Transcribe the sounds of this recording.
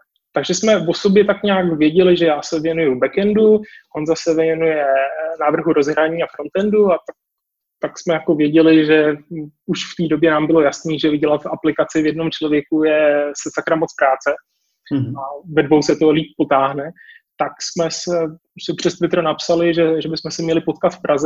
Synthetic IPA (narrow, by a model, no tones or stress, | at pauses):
t̪aɡʒɛsmɛvo̞so̞bjɛt̪akɲaːkvjɛɟɛlɪʒɛjaːsɛvjɛnujubɛkɛnduʔo̞nzasɛvjɛjɛnujɛnaːvr̩ɦuɾo̞zɦɾaɲiːafɾo̞nt̪ɛnduat̪ak̚ | t̪aksmɛjako̞vjɛɟɛlɪʒɛuʃft̪iːdo̞bjɛnaːmbɪlo̞jasniːʒɛvɪɟɛlat̪ʔaplɪkat͡sɪvjɛdno̞mt͡ʃlo̞vjɛkujɛsɛsakɾamot͡spɾaːt͡sɛ | avɛdvowsɛt̪oliːp̚po̞t̪aːɦnɛt̪aksmɛsɛ | sɛpr̥ɛst̪vɪt̪ɾonapsalɪʒɛʒɛbɪsmɛsɛmɲɛlɪpo̞t̪kat̪fpɾʔazɛ